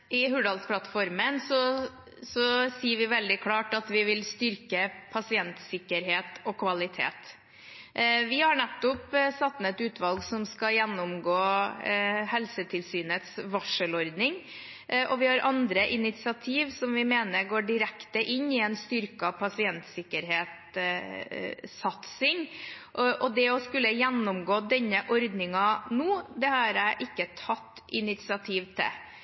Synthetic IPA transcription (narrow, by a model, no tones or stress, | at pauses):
ɪɦʉɖɑlspʰlɑt̪fɔɾmənsɔ | sɔsiːəʋɪʋɛld̪ɪkʰlɑːʈɑt̪ʋɪʋɪlst̪ʏɾkəpʰɑsɪɛnt̪sɪkːəɾɦeːt̪ɔkʰʋɑlɪt̪ʰḛːt̪ | ʋɪhɑɳɛt̪ːʊpsɑt̪ːnɛt̪ʉːt̪ʰʋɑlɡsɔmskɑjɛnːʊmɡoː | hɛlsət̪ʰɪlsyːnət̪sʋɑʂəlɔɾd̪nɪŋ | ʔɔʋɪhɑɾʔɑnd̪ɾəʔɪnɪt̪sɪɑt̪ʰiːʋsɔmʋɪmeːnəɾɡoːɖɪɾɛkt̪əʔɪnːɪɛnst̪ʏɾkɑpʰɑsɪɛnt̪sɪkːəɾɦeːt̪ | sɑt̪sɪŋ | ʔʔɔd̪ɛɔskʉlːəjɛnːʊmɡoːd̪ɛnːəʔɔɾd̪nɪŋɑnuːd̪ɛhɑɾæɪʔɪkːət̪ʰɑt̪ːɪnɪt̪sɪɑt̪ʰiːʋt̪ʰɪ̰